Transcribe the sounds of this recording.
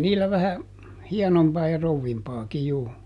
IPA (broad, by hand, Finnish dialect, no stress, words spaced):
niːlːæ ʋæhæ hiɛnompɑː jɑ rouʋːimpɑːki juː